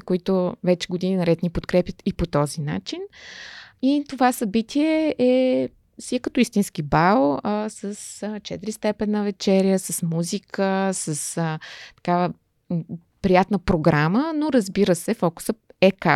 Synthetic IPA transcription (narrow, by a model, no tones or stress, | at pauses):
koit̪ʊvɛt͡ʃɛ̥ɡod̪ininɐɾɛt̪nipot̪kɾɛpʲjət̪ipot̪ɔzina̰t͡ʃin | it̪ovasɐbit̪ʰiɛʔɛ | siəkət̪ɔist̪insk̟ibalˠəsəst͡ʃɛt̪ɾist̪ɛpɛnːɐvɛt͡ʃɛɾjəsəsmuzikʰəsəsət̪ɐ̥kavə | pɾijat̪nəpɾoɡɾamənoɾəzbiɾəsɛfɔkʊ̥səɛka